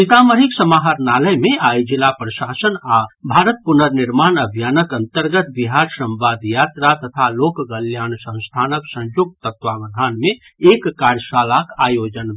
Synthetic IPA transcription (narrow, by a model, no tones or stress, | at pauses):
sit̪aməɾiksəmaɦəɾnaləjmẽajd͡ʒilapɾəsaːsənabʱaɾət̪̚punəɾniɾmaːnəbʱjanəkə̃nt̪əɾɡət̪biɦaɾsə̃mʋaːd̪jat̪ɾat̪ət̪ʰaloːkɡəljaːnsə̃w̃st̪ʰaːnəksə̃nd͡ʒoɡ̚t̪ət̪ʋabəd̪ʱaːnmẽ | ekːaɾjsalakaːjod͡ʒən